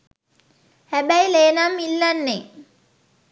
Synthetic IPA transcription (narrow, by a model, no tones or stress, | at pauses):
hɛbæjleːnamilːanːe